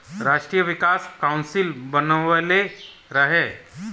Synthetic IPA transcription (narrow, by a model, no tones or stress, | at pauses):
ɾaːʃʈɾijəʋɪkaːskaʊnsɪlbənəale | ɾəɦeː